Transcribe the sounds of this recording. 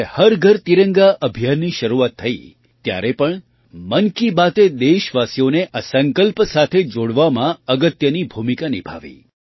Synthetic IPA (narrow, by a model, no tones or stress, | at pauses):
həɾɡʱəɾt̪iɾəŋɡaʔəbʱijanːiʃəɾuʋat̪ʰːəi | t̪ja̰ɾepəɳ | mənkibat̪ed̪eʃʋasijoneʔasəŋkəlpsat̪ʰed͡ʒoɽʋamãəɡət̪jənibʱumikanibʱa̰ʋḭ